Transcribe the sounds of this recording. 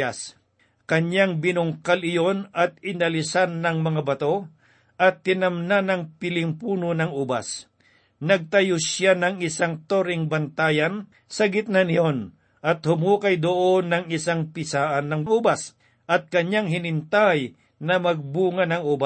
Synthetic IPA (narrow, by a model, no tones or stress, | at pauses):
as | kɐɲːaŋbɪnʊŋkalɪjo̞nɐt̪̚ɪnɐlɪsanːɐŋmɐŋabɐt̪o̞ | ʔɐt̪̚hɪnɐmnanɐŋpɪlɪŋpuːnonɐŋuːba̰s | nɐɡ̚t̪ɐjʊsjanɐŋɪsaŋt̪oɾɪŋbɐnt̪aːjɐn | sɐɡɪt̪̚nɐnɪjon | ʔɐt̪hʊmuːkɐjd̪ʊʔonːɐŋɪsaŋpɪsaːʔɐnːɐŋŋuːbas | ʔɐt̪̚kɐɲaŋɦɪnɪnt̪aj | nɐmɐɡ̚buːŋɐnɐŋʔoːba